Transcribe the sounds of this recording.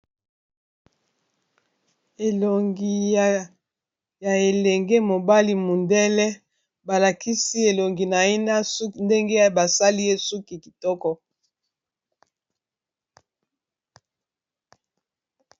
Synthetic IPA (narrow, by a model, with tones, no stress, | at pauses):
e˨lo˨ŋɡi˨ | ja˨e˨lɛ˨ŋɡe˦mo˨ba˦li˦mu˨ndɛ˦lɛ˦ | ba˨la˨ki˦si˦e˨lo˨ŋɡi˨na˨e˦na˦su˦nde˦ŋɡe˦ba˨sa˦li˦je˦su˦ki˨ki˨tɔ˦kɔ˦